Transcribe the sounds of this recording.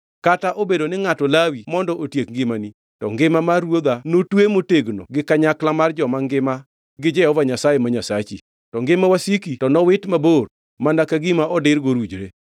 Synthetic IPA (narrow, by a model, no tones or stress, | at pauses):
kataʔobedonɪŋatɔlawimɔndɔʔotjekŋɡɪmani | tɔŋɡɪmamarwod̪anotwemoteɡno̰ɡɪkaɲaklamard͡ʒɔmaŋɡɪma | ɡɪd͡ʒɛɔvaɲasajemaɲasat͡ʃi | tɔŋɡɪmawasikitɔnɔwɪtmabor | mandakaɡɪmaʔɔdɪɾɡoɾud͡ʒɾe